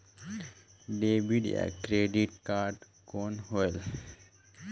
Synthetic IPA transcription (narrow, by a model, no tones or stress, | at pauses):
ɖeːbiɖ̰a̰kɾeɖiʈkaːɾɖ | koːnhoel